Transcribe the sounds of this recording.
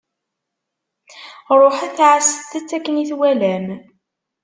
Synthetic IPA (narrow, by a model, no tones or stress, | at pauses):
ɾˤoħæθʕəsəθæt͡sːækːəniθwælæm